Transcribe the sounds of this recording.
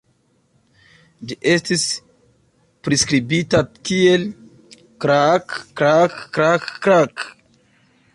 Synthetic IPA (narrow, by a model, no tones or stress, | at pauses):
d͡ʒiʔestis | pɾiskɾibitakiel | kɾakːɾakːɾakːɾak